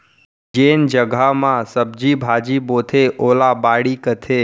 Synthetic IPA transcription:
d͡ʒeːnd͡ʒəɡʱamãsəb̚d͡ʒiːbʱaːd͡ʒiːboːt̪ʰeʔoːlabaːɽiːkət̪ʰeː

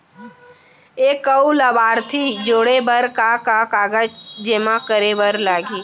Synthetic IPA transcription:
eːkːəuləbaːɾt̪ʰid͡ʒoːɽebəɾkakakaːɡəd͡ʒd͡ʒeːmakəɾebəɾlaːɡiː

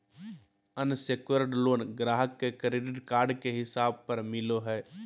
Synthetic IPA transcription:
ənseːkəɾɖloːnɡɾaːɦəkːekɾeːɖɪʈkaːɾɖkeɦɪsaːb̚pɐɾmɪloɦɛː

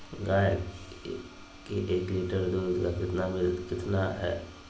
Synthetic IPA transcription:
ɡaː | kiʔeːkliːʈəɾd̪oːdɡakɪt̪nabʱikɪt̪naɦɛ̰ː

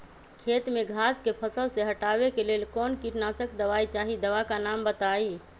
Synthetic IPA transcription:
kʰet̪meɡʱaskepʰəsəlseɦəʈabekelelkɔnkiʈnasəkd̪əʋait͡ʃaɦid̪əʋakanambət̪ai

